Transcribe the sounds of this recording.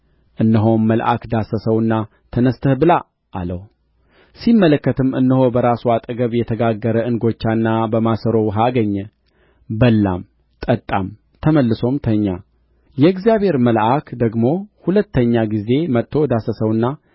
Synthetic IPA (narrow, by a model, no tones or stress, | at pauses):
ʔɨnːəɦo̞nməlʔa̰kd̪asəsəwɨnːa | t̪ʰənəst̪ʰəhbɨla̰ː | ləw | simːələkːət̪ʰɨmɨ̰nːəho̞bəɾasuat̪ʼəɡəβjɛt̪ʰəɡaɡːəɾəɨnɡo̞t͡ʃːanːabəmasəɾo̞wɦaɡəɲːɛ | bəlːa̰m | t̪ʼət̪ʼːam | t̪ʰəməlːɨso̞mt̪ʰəɲːa | jɛɨɡzijabhe̞ɾməlʔakd̪əɡmo̞hulət̪ʰːəɲːaɡize̞mət̪ʰːo̞d̪asəsəwɨnːa